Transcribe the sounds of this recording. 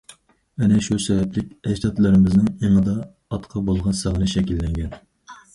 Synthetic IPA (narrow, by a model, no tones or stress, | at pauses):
ɛnɛʃusɛbɛplɪkʲɛd͡ʒt̪ɑt̪lˠɨɾɪmɪznɨŋeŋɨd̪ɑː | t̪qʰɑbolˠʁɑnsɑʁənɨʃɛkʲilːɛŋɡʲɛn